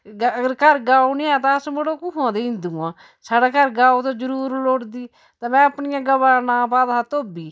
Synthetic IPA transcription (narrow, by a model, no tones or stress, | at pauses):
ɡəɡəɾkəɾɡaːonɪãːt̪̬ãəsməɽoːkuɦãːd̪eːɪ̃nd̪ũːãː | saːɽaːkəɾɡaːoːt̪õːd͡ʒəɾuːɾloːɽd̪iː | t̪ãːmɛ̃ːəpnɪjãːɡəbaːnãːpaːd̪aːt̪oːbiː